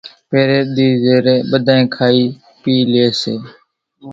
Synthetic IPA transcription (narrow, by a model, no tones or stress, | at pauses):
peːɾeːɗ̪iːzeːɾeːɓəd̪ʱaːẽːkʰaːiː | piːleːseː